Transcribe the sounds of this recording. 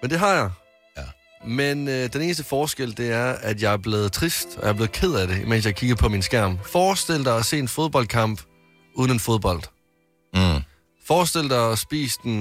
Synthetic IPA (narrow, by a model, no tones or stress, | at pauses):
mend̥e̝ɦɑ̈jɑ̈ɪ | mend̥ene̝ːnəs̬d̥əfɒːsɡ̥el̰d̥e̝æɐæd̥jɑ̈ɪɐb̥le̝ːð̞̩ˠt͡sʰʁisd̥ɒjɑɐb̥le̝ːð̩ˠkʰe̝ð̞̰ˠæɾe̝imensjɑ̈ɪkʰiɡ̥ðˠpʰɒ̽minsɡ̥æɐ̰mfɒːsd̥el̰d̥ɑɪɒse̝̰ːe̝nfo̝ð̞ˠb̥ɒ̽l̰d̥̚kʰɑ̈m̰b̥ | uːðˠn̩əenfo̝ð̞ˠb̥ɒ̽l̰d̥ | fɒːsd̥e̝l̰d̥ɑɪɒsb̥ḭːsd̥n